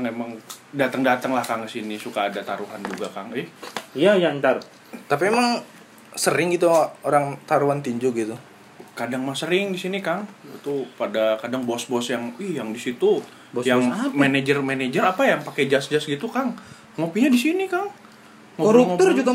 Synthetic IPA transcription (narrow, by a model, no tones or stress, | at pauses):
kaŋemaŋdat̪əŋdat̪əŋlahkaŋkəsinisukaːdat̪aɾuɦand͡ʒuɡakaŋɪhjajant̪ar | t̪apiemaŋ | səɾɪŋɡit̪uoɾaŋt̪aɾuɦant̪iɲd͡ʒuɡit̪u | kadaŋmasəɾɪŋdisinikaŋit̪upadakadaŋbɔsbɔsjaŋihjaŋdisit̪u | bɔjaŋmaned͡ʒərmened͡ʒərapajaŋpakɛd͡ʒasd͡ʒasɡit̪ukaŋ | ŋopiɲadisinikaŋ | ŋoɾuŋot̪ərd͡ʒuɡa